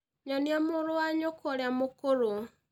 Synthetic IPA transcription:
ɲɔniamoɾowaɲokɔɾeamokoɾo

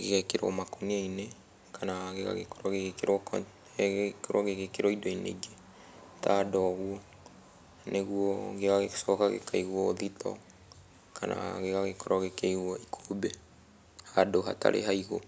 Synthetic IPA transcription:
ɣeɣɛkeɾɔ̰makoniaine | kʰanaɣeɣa̰ɣekoɾɔɣeɣekeɾwɔk | koɾɔɣeɣekeɾɔidɔinḛɡe | tadɔɣwɔ | neɣwɔɡeɣaɣesɔkaɣḛkaiɣwɔoðitʰɔ̰ | kʰana̰ɣeɣaɣekɔɾɔɣekeiɣwɔikʰobɛ | hadoɦata̰ɾʔḛɦaiɣo

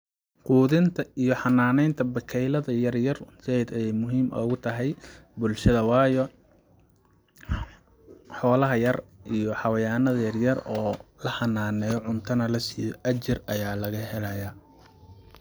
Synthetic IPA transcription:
quːðɪnt̪ʰɐijɔħɑnːaːnɛjnt̪ʰɐbɐkʰɛjlɐðɐjɐrjɐrsɛd̪ɛjmʊɦiːmʔɔ̰ːɣʊt̪ʰɐɦɛj | bʊlʃɐðɐwɑːjɔ | ħɔːlɐɦɐjɐrijɔħɑwɐjaːnɐðɐjɐrjɐrɔːlɐħɑnːaːnɛːjɔʕʊnt̪ʰɐnɐlɐsiːjɔʔɐt͡ʃɪrɐjaːlɐɣɐɦɛlɐja

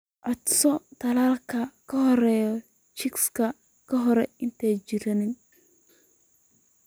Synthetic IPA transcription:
ʔɔd̪sɔt̪ʰɐlaːlkʰɐkʰɐɦɔɾɛːjɔ | t͡ʃɪkskʰɐ | kʰɐɦɔɾɛɪnt̪ʰɛt͡ʃɪɾɐnɪn

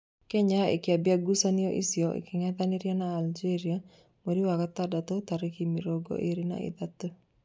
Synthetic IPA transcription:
keɲaḛkɪabjaɡusanɪoʔḭsjɔʔḛkɪŋat̪aniɾjɔnaːld͡ʒeɾia | moɾiwakat̪adat̪ot̪aɾekimiɾoɡo̰ʔeɾina̰ɪ̰d̪at̪ːo

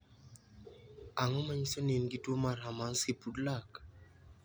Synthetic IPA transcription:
aŋɔmaɲisɔnenɡitwomaramansipudlak

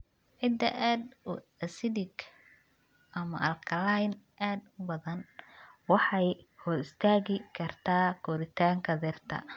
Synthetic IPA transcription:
ʕɪd̪ɐʔaːd̪ʊ | ɐsɪd̪ɪɡ | ʔɐmɐʔɐlkʰɐlajnʔaːd̪ʊbɐðɐnwɑħɑjhɔːɾɪst̪ʰaːɣɪkʰɐrt̪ʰaːkʰɔɾɪt̪ʰaːŋkʰɐdɛrt̪ʰɐ̰

